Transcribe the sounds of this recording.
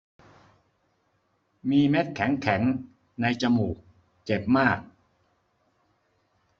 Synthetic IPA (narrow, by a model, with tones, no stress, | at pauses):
miː˧me˦˥t̪̚kʰɛ˩˦ŋkʰɛ˩˦ŋ | na˧jt͡ɕa˧muː˨˩k̚ | t͡ɕe˨˩p̚maː˥˩k̚